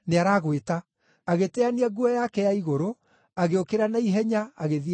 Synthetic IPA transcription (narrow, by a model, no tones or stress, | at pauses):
neaɾaːɣweta | aɣetɛaniaɡuɔjakɛjaiɣoɾo | aɣeokeɾanaiɦɛɲaaɣeði